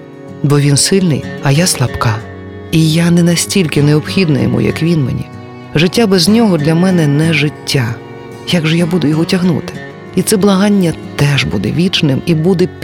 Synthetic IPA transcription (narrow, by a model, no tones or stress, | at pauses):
bɔʋʲinsɪlʲnɪ̰jɐjaslˠɐpkɑ | ijanɛnɐsʲtʲilʲkɪneɔpxʲid̪nɐ̰jɛ̰mṵjɐ̰kʋʲinmḛnʲḭ | ʒɪtʲːabɛznʲɔɦɔd̪lʲɐmɛnɛnɛʐɪtʲːa | jaɡʒɔjabud̪ʊjɔɦɔtʲɐɦnṵt̪ɪ̥ | it̪sɛblˠɐɦɑnʲːɐt̪ɛʐbud̪ɛ̰ʋʲit͡ʃnɪmibud̪ɛpʲ